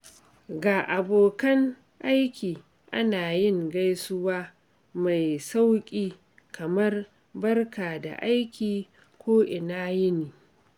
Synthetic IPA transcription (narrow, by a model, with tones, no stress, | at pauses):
ɡaː˨ʔa˨boː˨kɐ˦ŋ | ʔa˦jkʲiː˨ | ʔa˦naː˨jɪ˦˨ŋɡa˦jsʊ˦waː˦ | ma˨jsa˦wkʲʼiː˦ | kʰɐ˨mɐ˦r | bɐ˦rkaː˨da̰˨ʔa˦jkʲiː˨ | kʷoː˦ʔɪ˨naː˦jɪ˦niː˨